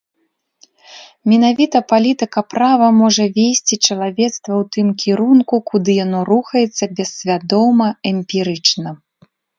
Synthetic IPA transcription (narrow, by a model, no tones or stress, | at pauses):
mʲɛnavʲit̪ɐpalʲit̪ɨkɐpɾavɐmɔʐɐvʲesʲt͡sʲit͡ʂɐlˠavʲɛt̪st̪vɐwt̪ɨmkʲʰiɾunkukud̪ɨjanɔɾuxɐjɛt̪sːɐbʲɛsʲvʲad̪ɔmɐɛmʲpʲiɾɨt͡ʂnɐ